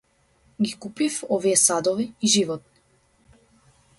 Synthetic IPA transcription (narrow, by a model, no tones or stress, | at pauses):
ɡikupifɔviɛsad̪ɔviːʒivɔt̪̚ni̥